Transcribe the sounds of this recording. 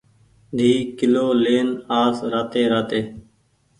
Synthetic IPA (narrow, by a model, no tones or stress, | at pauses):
d̪ʱiːkɪloːleːnaːsɾaːt̪eːɾaːt̪eː